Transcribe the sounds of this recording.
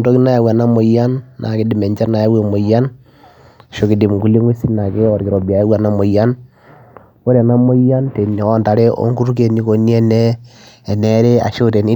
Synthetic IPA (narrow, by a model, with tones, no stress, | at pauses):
do˦ki˦na˦ja˨wa˨na˦mo˨ja˦nːʔa̰˨ki˦di˦˨mɛ˨ɲt͡ʃa˦na˨ja˦we˨mo˨ja˦n˨ | ʃo˦ki˨˦di˨mŋɡu˦li˦ŋe˦si˦na˨ke˦ɔ˨ɾki˨ɾo˨bi˨a˨ja˦wa˨na˦mo˨ja˦n | wo˦ɾɛ˨na˦mo˦ja˦nte˨n˨ɔ˦nda˨ɾe˦ʔo̰˦ŋɡu˦ɾu˦k̬e˨ni˦ko˨ni˦ɛ˦nɛː˦˨ | nɛ˦ɾe˦a̰˨ʃo˦te˨ni˦